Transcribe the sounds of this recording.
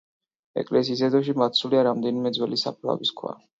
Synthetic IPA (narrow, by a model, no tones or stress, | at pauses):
ɛ̰kʼlɛs̬iːs̬ɛd̪ɔʃimat̪sʰuliaɾamd̪ɛnimɛd̪zwɛlisa̰pʰɾa̰viskʰwa̰